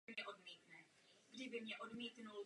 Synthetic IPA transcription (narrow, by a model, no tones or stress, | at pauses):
mɲɛʔo̞dmiːt̪nɛ | ɡdɪbɪmɲɛʔo̞dmiːt̪nul